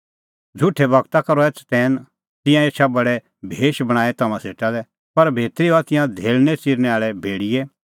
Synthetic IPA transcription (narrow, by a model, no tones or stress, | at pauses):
d͡zʱʊʈʰːɛbɐɡt̪akɐɾɔɛːt͡sʰt̪ɛːn | t̪ɪ̃jãeːʃʰabɐɽɛ | bʱeːʃbɐɽ̃aːɛt̪ɐmãseːʈalɛ | pɐɾbʱeːt̪ɾiat̪ɪ̃jãd̪ʱeːlnɛt͡siːɾnɛaːɭɛbʱeːɽije